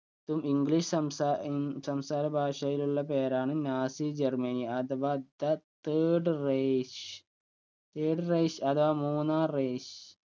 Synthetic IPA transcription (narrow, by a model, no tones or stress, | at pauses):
t̪umiŋɡliʂɐmasɐmsaːɾɐbʱaːʂɐjiluɭːɐpeːɾaːɳɨnʲaːsid͡ʑɐrmɐnijɐt̪ʋɐd̪ɐt̪eːɖreʂ | t̪eːɖreːʂɐt̪ʋamuːnaːreːʂ